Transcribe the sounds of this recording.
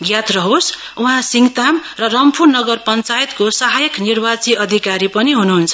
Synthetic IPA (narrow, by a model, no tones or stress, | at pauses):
ɡjat̪rʌɦos | uɦãsiŋɡt̪amrʌrʌmpʰurnʌɡʌrpʌnt͡sajet̪kosaɦajʌknirbat͡siʌd̪ʱikaɾipʌniɦunuɦunt͡sʰʌ